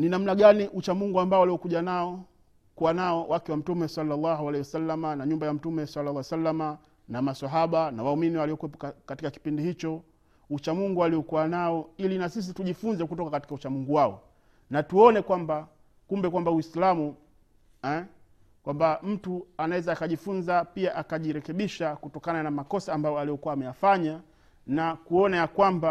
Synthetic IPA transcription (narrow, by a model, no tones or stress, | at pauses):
ninam̩naɡaniʔut͡ʃamuŋɡuambaɔaliɔkuʄanaɔ | kuwanaɔwʔakɛwam̩tumɛsalːalːaɦualɛiwasalːamanaɲumbajam̩tumɛsalːalːsalːama | namasaɦaɓanawauminiwaliɔkwɛpɔkkatikaki̥pindihit͡ʃɔ | ut͡ʃamuŋɡualiɔkuanaɔilinasis̬ituʄifunzɛkutɔkakati̥kaut͡ʃamuŋɡuwaɔ | natuɔnɛkwamba | kumbɛkwambawislamu | ɛ | kwambam̩tuanawɛzaːkaʄifunzapiaʔakaʄiɾɛkɛɓiʃakutɔkananamakɔsaːmbajɔalijɔkuaːmɛjafaɲa | nakuɔnajakwamba